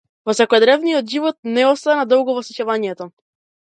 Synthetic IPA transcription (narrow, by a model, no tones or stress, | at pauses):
vɔsɛkɔjɛd̪ɾɛvnijɔd̪ʒivɔt̪̚nɛɔst̪anad̪ɔwɡɔvɔsɛcavaɲɛt̪ɔ